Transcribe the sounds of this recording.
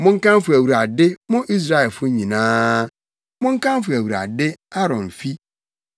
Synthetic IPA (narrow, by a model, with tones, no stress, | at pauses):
mʊ̃˦ŋ̩˦kã˦m˦fʊ˨æ˨wu˨ɾa˨dɪ˦mʊ̃˦ʔi˦s̬ɾa˦ɛ˨lfʊ˦ɲĩ˨nãː˦ | mʊ̃˦ŋ̩˦kã˦m˦fʊ˨æ˨wu˨ɾa̰˨dɪ˦a˦ɾɔ̃˨n˨fi˦